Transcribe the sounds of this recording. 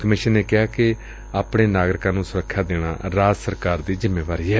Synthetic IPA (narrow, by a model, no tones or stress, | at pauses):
kəmɪʃənːeːkɪaːkɪ | aːpɽeːnaːɡɾɪkãːnũːsʊɾəkʰːjaːd̪eːɽa̰ːɾaːd͡ʒsəɾkaːɾd̪iːzɪmːeːʋaːɾiːɛː